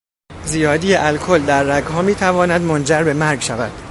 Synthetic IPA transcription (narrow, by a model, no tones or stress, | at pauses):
zijɒːd̪ijeʔælkʰold̪æɾːæɡhɒːmiːt̪ʰævɒːnæd̪mond͡ʒæɾbe̞mæɾɡʃævæ̰d̪̥